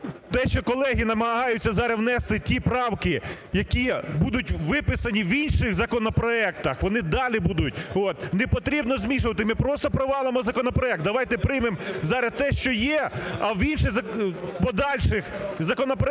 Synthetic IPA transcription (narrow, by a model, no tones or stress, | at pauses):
t̪ɛʃt͡ʃɔkɔlˠɛɦʲinɐmɐɦɑjʊt͡sʲːɐzɑɾewnɛst̪ɪtʲipɾɑwkɪjɐkʲibud̪ʊtʲʋɪpɪsɐnʲiʋinʃɪɣzɐkɔnɔpɾɔɛkt̪ɐxʋɔnɪd̪ɑlʲibud̪ʊtʲot̪nepɔt̪ɾʲibnɔzmʲiʃʊʋɐt̪̬ɪmɪpɾɔst̪ɔpɾɔʋɑlˠɪmɔzɐkɔnɔpɾɔɛk̚t̪̚d̪ɐʋɑjt̪ɛpɾɪjmemzɑɾɐd̪̚t̪ɛʃt͡ʃɔjɛɐwinʃɪzɐpɔd̪ɑlʲʃɪxzɐkɔnɔpɾɔ